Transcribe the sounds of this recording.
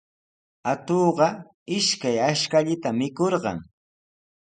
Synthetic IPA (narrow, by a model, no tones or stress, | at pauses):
at̪oːɢɑ | ɪʃkajaʃkaʎɪt̪amɪkoɾɢɑ̰ŋ